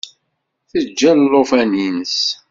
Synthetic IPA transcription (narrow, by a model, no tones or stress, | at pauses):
θəd͡ʒːællːofænins